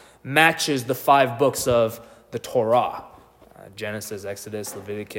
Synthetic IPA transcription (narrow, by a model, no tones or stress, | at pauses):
mæt͡ʃɪzðəfaɪvbʊksʌv | ðɨtʰɔɹɑ̰ | d͡ʒɛnɨsɨsɛksɨɾɨsləvɪɾɨkʰ